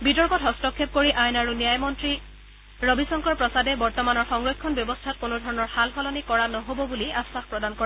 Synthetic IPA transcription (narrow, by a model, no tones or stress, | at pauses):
bitɔɹkɔtɦɔstɔkʰːep̚koɹiʔajnaɹunijajmɔntɹi | ɹobisɔŋkɔɹpɹɔsadɛbɔɹtɔmanɔɹxɔŋɹɔkkʰːɔnbjɔbɔstʰat̚konodʱɔɹɔnɔɹxalxɔlɔnikɔɹanɔɦobɔbuliasaxpɹɔdankɔɹɛ